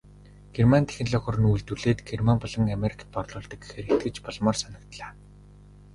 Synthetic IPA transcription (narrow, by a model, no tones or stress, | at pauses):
ɡ̥ermant̪ʰe̥xɪ̆nɮɔːxʊ̆rɘ̆nujɮt̪uɮeːt̪ɡ̥ermampɔɮɞ̆ŋameɾʲi̥kʰḁ̆t̪̚pɔrɮʊːɮt̪ɞ̆kexeɾexʰt̪̚ɡɘ̆t͡ɕpɔɮmɔːrsanə̆k̚t̪ɮaː